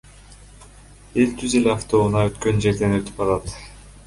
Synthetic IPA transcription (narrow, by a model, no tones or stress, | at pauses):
e̞lt̪ʰyze̞leɑft̪o̞unɑøt̪kønd͡ʒe̞ɾd̪e̞nøt̪ʰy̥pɑlˠɑt̪